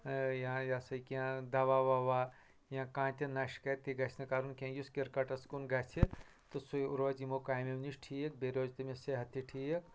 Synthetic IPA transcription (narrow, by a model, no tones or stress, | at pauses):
jãjasɐkiãd̪ɐʋaʋaʋaː | jãkãːnt̪ʲɐnaʃkɐt̪iɡɐsʰnɨkaɾunkʲẽjuskiɾkɐʈɐskunɡɐt͡ʃʰi | t̪usuuɾʋɐd͡ʒimokaːjmemniʃʈʰijek̚beɾʲoːd͡ʒt̪ɐmeseɦɐt̪ʰːiʈʰijek̚